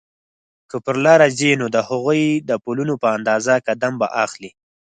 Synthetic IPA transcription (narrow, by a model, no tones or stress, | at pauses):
kəpəɾlɑɾazinod̪əhaɣujd̪əpulunopəand̪ɑzakad̪amba̰ʔaxli